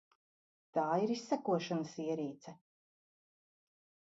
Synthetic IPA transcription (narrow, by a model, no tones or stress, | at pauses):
t̪aːiɾisːækuɔʃanəsiɛɾiːt̪sɛ